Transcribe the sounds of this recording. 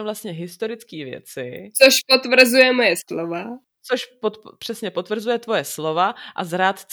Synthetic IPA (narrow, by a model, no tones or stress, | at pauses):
vlast̪ɲɛɦɪst̪oɾɪt͡skiːvjɛ̰t͡sɪ̰t͡soʃpot̪vr̩zujɛmojɛslova | t͡soʃpot̪pr̝̥ɛsɲɛpot̪vr̩zujɛt̪vo̞jɛslo̞vaʔa̰zɾaːt̪t͡s